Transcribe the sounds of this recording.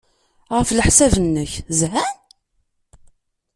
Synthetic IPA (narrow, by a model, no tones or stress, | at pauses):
ʁəfləħsævənːəçzɦæn